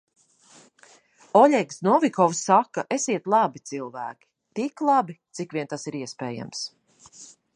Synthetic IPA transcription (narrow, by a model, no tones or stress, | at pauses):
ɔʎʲɛksnɔvʲikɔwsːakːaʔesiɛt̪lˠabit̪silˠvæ̰ːkʲi̥ | t̪iklˠabit̪sikvʲiɛnt̪asiɾiɛspɛːja̰ms